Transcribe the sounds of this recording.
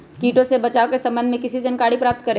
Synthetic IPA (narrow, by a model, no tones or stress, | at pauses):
kiːʈõsebɐt͡ʃaːokesɐ̃mbənd̪ʱmẽkɪsid͡ʒɐnkaːɽipɾaːp̚t̪̚kɐɾẽ